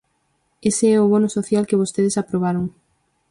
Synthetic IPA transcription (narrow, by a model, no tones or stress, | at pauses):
eseɛʊβonʊsoθjalkeβ̞ost̪eðesapɾoβ̞aɾoŋ